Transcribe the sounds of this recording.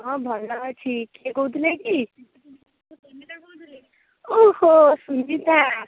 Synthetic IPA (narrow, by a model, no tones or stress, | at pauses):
ɦʌ̃bʱʌnːʌɦt͡sʰikeɡowd̪uneki | ohosund͡zit̪a